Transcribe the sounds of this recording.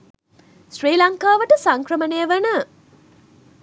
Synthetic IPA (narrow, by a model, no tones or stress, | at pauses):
sriːlaŋkaːʋəʈəsaŋkrəmənejəʋənə